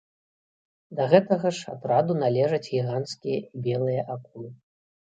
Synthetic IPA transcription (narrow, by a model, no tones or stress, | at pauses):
d̪ɐɣɛt̪ɐɣɐʂa̰t̪rad̪unalʲɛʐɐd͡zʲɣʲiɣanskʲijɐibʲɛlˠɨjɐʔaku